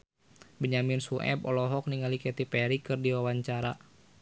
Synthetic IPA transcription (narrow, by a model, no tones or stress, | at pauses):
bəɲamɪnsuʔɛ̰bɔlɔɦɔk̚niŋalikɛt̪ipɛɾikɨrdiwawaɲt͡ʃaɾa